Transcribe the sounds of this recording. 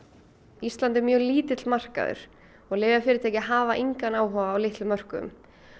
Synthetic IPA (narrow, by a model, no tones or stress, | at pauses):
ist̪lant̪ɛɾmjœːɣliːt̪ɪt̪lmar̥ka̰ðʏ̰ɾ̥ | ɔɣlɪːvɪafɪːɾɪt̪ʰɛjcɪɦaːvaʔiŋkanaːwɦɔːvaːwlɪht̪lʏmœr̥kʏʏ̰m